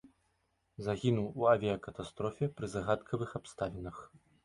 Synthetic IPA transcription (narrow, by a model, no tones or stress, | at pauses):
zaɣʲinuwuavʲɛjɐkɐt̪ast̪ɾɔfʲɛpɾɨzaɣat̪kʰɐvɨxapst̪avʲɛnɐx